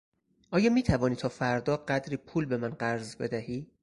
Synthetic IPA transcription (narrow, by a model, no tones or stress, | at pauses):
ʔɒːjɒːmiːt̪ʰævɒːniːt̪ʰɒːfæɾd̪ɒːɢæd̪ɾiːpʰuːlbe̞mænɢæɾzbe̞̰d̪æhiː